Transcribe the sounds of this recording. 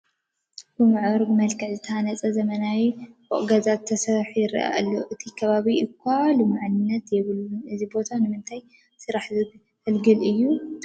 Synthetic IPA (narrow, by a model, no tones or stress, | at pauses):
bɨmaʕβɐɾbɨmɐlkʰɐʕzɨt̪ʰɐhanɐt͡sʼɐzɐmɐnawiboʔʼɡɐzat̪ʰːɐsɐɾħjɪɾʔa̰ʔa̰lːoʔɨt̪ʰikʰɐβaβiʔɨkʰːalumaʕanɨnːɐt̪jɛβɨluɨzibo̞t̪ʰanɨmɨnt̪ʰaj | sɨɾaħzɨ | ɨlɡɨlʔɨjːu